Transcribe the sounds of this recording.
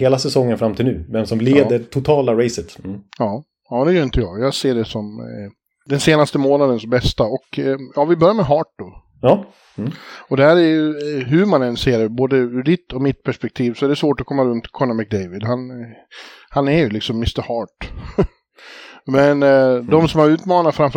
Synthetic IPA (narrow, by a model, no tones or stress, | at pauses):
heːlasɛsɔŋːənfɾamt̪ʰɪlnʉ̟ːvɛmsɔmleːət̪ʰʊt̪ʰɑːlaɾɛɪsət̪jɑː | ɑːd̪ɛjœɾɪnt̪əjɑ̰ːɡjɑːɡseːɖɛsɔm | d̪ɛnseːnast̪əmoːnad̪ənsbɛst̪aɔkjɑːvɪbœɾjaɾmɛɦɑːʈ̚d̪ɔ | ɑ | ɔd̪ɛæːɾɛɾjɵɦʉmanɛnseːɾɛboːd̪əʉɖɪt̪ːʰɔmɪt̪̚pʰæʂpɛk̚t̪ʰiːvsɔɛɖɛsvoːʈɔkʰɔmːaɾɵnt̪kʰɔnamɪk̚d̪eɪvɪd̪han | hanæɾjɵlɪksɔmːɪst̪əɾhɑːʈ | mɛnd̪ɔmsɔmhaɾʉ̟ːt̪mɑːnaɾfɾamf